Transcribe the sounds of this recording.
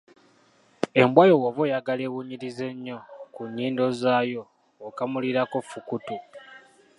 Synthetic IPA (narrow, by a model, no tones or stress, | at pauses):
e̞mbwajo̞woβojaɡale̞βuɲiɾize̞ɲːo̞kuɲːiːndo̞zaːjo̞ː | kamuliɾako̞fukutu